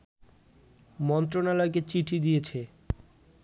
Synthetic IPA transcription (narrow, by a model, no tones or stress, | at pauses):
mɔnt̪̬ɾonalɔek̬et͡ɕiʈʰid̪ijet͡ɕʰe